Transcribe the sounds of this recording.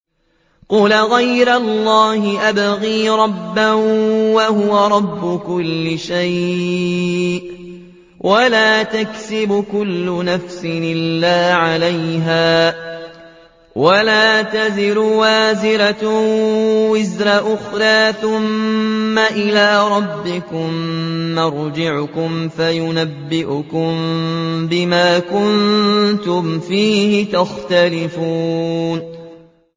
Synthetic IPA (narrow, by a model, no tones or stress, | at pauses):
qʊlaɣajɾalːɑːhɪʔabaɣiːɾˤɑbːawahʊwaɾˤɑbːʊkʊlːɪʃaj | wʔalaːt̪aksɪbʊkʊlːʊnafsɪnɪlːaːʕalajɦaː | walaːt̪azɪɾʊwaːzɪɾa | wɪzɾaʔʊxɾˤɑːθʊmː | aʔɪlaːɾˤɑbːɪkʊmːɑɾˤd͡ʒɪʕʊkʊmfajʊnabːɪʔʊkʊmbɪmaːkʊnnt̪ʊmfiːhɪt̪axt̪alɪfuːn